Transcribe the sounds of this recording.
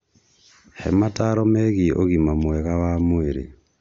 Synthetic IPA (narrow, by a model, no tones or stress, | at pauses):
hḛmataɾɔmeɣiʔoɣimamwɛɣawamueɾḭ